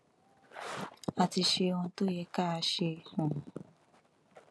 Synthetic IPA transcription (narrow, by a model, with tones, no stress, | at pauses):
a˧ti˧ʃe˧ɔ̃˧to˦jɛ˧˦ka˦a˧ʃe˧˨hũ˨